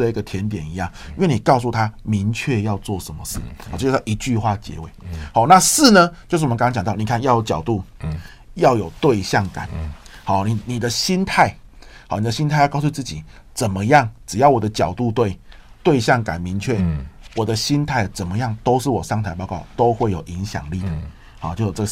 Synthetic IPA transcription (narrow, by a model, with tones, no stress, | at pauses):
ə˧i˧˥ɡə˨t̪ʰjɛ˧˦nt̪jɛ˨˩ni˧˦jɑ˥˩ŋii˥˧wɛ˥˩ni˨˩kɑ˥˧ʊs̬u˥˩t̪ʰa˦mi˧˦ŋt͡ɕʰɥɛ˥˧jɑ˥˧ʊt͡swɔ˥˨˩ʂə˧˦nmə˧ʂɻ̩˥˩˨t͡ɕo˥˧˥ʔi˧˥t͡ɕy˥˧xwa˥˩t͡ɕjɛ̰˧˥wḛ˨˦ɪhɔ˧˦na˥˧sɹ̩˥˩nə˦t͡ɕjo˥˧ʊʂ̬̩˥˩˨ŋt͡ɕjt̪ni˨˩kʰa˥˧njɑ˥˩ʊjo˧˩t͡ɕjɑ˨˩ʊt̪u˥˩ | jɑ˥˩ʊjo˨˩ʊt̪we˥˧ɪɕjɑ˥˩ŋka̰˨˩˦nha˨˩ni˨˩ni˨˩d̪ə˦ɕi˥nt̪ʰa˥˩ɪhɑ˨˩ni˨˩ə˧˩ɕi˦nt̪ʰa˥˧ɪjksu˥˧t͡sɹ̩˥˩t͡ɕḭ˨˩ | t͡sə˨˩nmə˦jɑ˥˩ŋʈ͡ʂɻ̩˨˩jɑ˥˩ʊwɔ˨˩d̪ə˦t͡ɕjɑ˨˩ʊt̪u˥˧t̪we˥˩ɪt̪we˥˧ɪɕjɑ˥˩ŋka̰˨˩nmi˧˥ŋt͡ɕʰɥɛ˥˩wɔ˨˩d̪ə˦ɕi˦nt̪ʰa˥˩ɪ˩t͡sə˨˩nmə˦jɑ˥˩ŋt̪o˥ʊʂɻ̩˥˩wɔ˨˩ʂɑ˥˧ŋt̪ʰa˧˥ɪp̬ɑ˥˧ʊkɑ˥˩ʊt̪o˥ʊxwe˥˩ɪjo˨˩ʊʔi˧˦ŋɕjɑ̰˨˩ŋli˥˨d̪ə˨˩ | hɔ˨˦t͡ɕjo˥˧ʊjo˨˩ʈ͡ʂə˥˩ɡ